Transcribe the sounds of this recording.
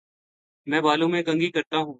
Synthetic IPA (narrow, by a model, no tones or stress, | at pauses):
mɛ̃ːbaːlõːmẽːɡə̃ŋɡiːkəɾt̪aːɦũː